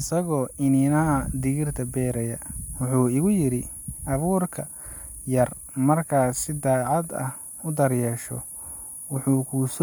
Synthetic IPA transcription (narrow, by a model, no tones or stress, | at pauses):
ɪsɐɣɔːʔɪnɪnɐɦɐd̪ɪɣɪrt̪ʰɐbɛːɾɛjɐwʊħuːɪɣʊjɪɾɪʔɐβuːrkʰɐjɐrmɐrkʰaːsɪd̪aːʕɑd̪ɐ̰h | ʊd̪ɐrjɛːʃɔ̰ | wʊħuːkʰus